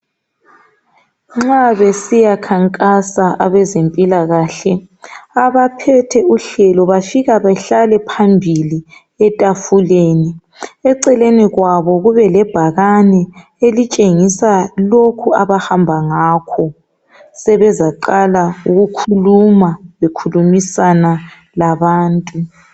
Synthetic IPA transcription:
ŋ͡ǁaβesijakʰaŋkʼasaʔaβɛzempʼilaɣaːɬɛ | aβapʰɛtʰɛuɬɛlɔβafiɣaβaɬalɛpʰambʱili | ɛtʼafuleni | ɛǀɛleniɣwaβɔɣuβɛlɛb̥ʱaɣanɛ | elit͡ʃʼeŋisalokʰuaβahambʱaŋaːkʰɔ | sɛβɛzaǃalauɣukʰulumaβekʰulumisana | laβaːntʼu

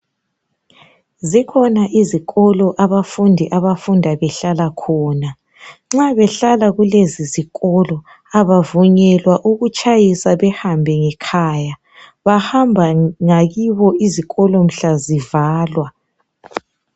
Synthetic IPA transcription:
zikʰɔnaʔiziɣɔlɔʔaβafundʱiʔaβafundʱaβɛɬalakʰɔːna | ŋ͡ǁaβɛɬalaɣuleziziɣɔlɔ | aβavuɲɛlwaʔuɣut͡ʃʼajisaβɛhambʱɛŋɛkʰaja | βahambʱaŋaɣiβɔiziɣɔlɔm̩ɬazivaːlwa

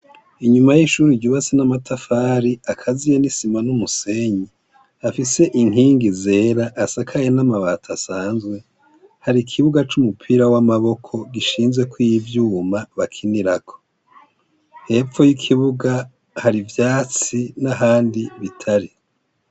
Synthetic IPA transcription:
iɲumajiʃuɾiɟuβasinamatʰafaːɾiakʰazijenisimanumuse̞ɲi | afise̞ʔiŋɦiːŋɡize̞ːɾaʔːsakʰajenamaβatʰasaːnzɡwe̞ | haɾikʰiβuɡat͡ʃumupʰiːɾawamaβo̞kʰo̞ɡiʃiːnzɡwe̞kwiivjuːmaβakʰiniɾakʰo̥ | he̞ːp͡fo̞jikʰiβuɡa | haɾivjaːt͡sinaɦaːndiβitʰaɾi

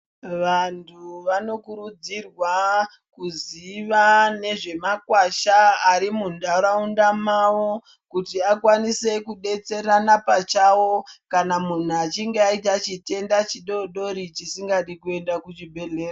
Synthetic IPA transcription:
ʋantʰuʋano̞kuɾud͡zirwa | kuziʋane̞ʐe̞makwaʃaːɾimundaɾaundamawo̞ | kutiakwanise̞kuɗe̞t͡se̞ɾanapat͡ʃawo̞kanamun̤uat͡ʃiŋɡeait̬at͡ʃite̞ndat͡ʃiɗo̞ɗo̞ɾit͡ʃisiŋɡaɗikue̞ndakuʐibʱe̞ɮe̞ːra

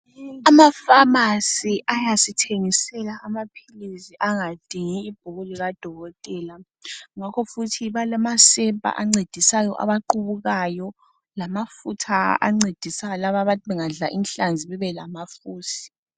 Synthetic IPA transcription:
amafamasiʔajasitʰeŋisɛlaʔːmapʰilisiʔaŋad̥ʱiŋiːb̥̚ʱuɣuliɣad̥ʱɔɣɔtʼɛːla | ŋakʰɔfutʰiβalamasɛpʼa̰ʔaŋ͡ǀed̥ʱisajɔʔa̰βaǃuβuɣajɔ | lamafutʰaa̰ŋ͡ǀed̥ʱisalaβaβatʰiβɛŋaɮaʔinɬand͡zʱiβɛβɛlamafuːsi̥

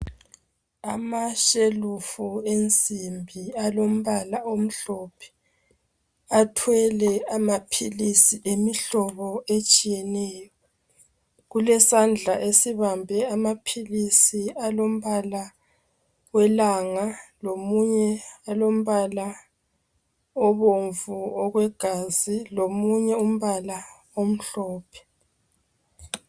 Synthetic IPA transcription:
amaʃelufuent͡sʼimbʱialom̩βalaom̩ɬɔpʰɛ̥ | atʰwɛlɛamapʰilisiʔemiɬɔβɔet͡ʃʼijɛnɛjɔ | ɣulɛsand͡ɮʱaʔesiβambʱɛamapʰilisialom̩βala | wɛlaːŋalomuɲɛalom̩βala | ɔβoɱvuɔɣwɛɡ̥ʱazilomuɲɛum̩βala | om̩ɬɔːpʰɛ̥

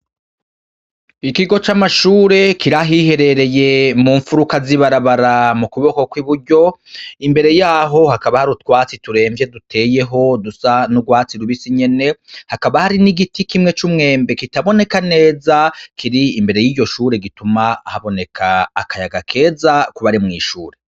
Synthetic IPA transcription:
ikiɡo̞t͡ʃamaʃuːɾe̞kiɾaɦihe̞ɾe̞ɾe̞je̞muːɱfuɾukaziβaɾaβaɾamukuβo̞ko̞kwiβuɾɟo̞imbe̞ɾe̞jaːɦo̞hakaβahaɾutkwaːt͡situɾe̞ːɱvje̞dutʰe̞ːje̞ɦo̞dusanuɡwaːt͡siɾuβisiɲe̞ne̞hakaβahaɾiniɡitikimŋe̞t͡ʃumŋe̞ːmbe̞kitaβo̞ne̞kane̞ːzakʰiɾiimbe̞ɾe̞jiːɟo̞ʃuːɾe̞ɡitumaːhaβo̞ne̞kʰaːkʰajaɡakʰe̞ːzakuβaɾimŋḭːʃuːɾe̞

